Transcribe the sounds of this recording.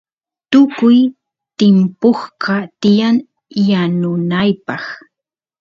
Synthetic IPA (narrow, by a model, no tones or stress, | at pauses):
t̪ʊkʊj | t̪ɪmpoχqɑt̪ɪjaŋ | janʊnajpɑχ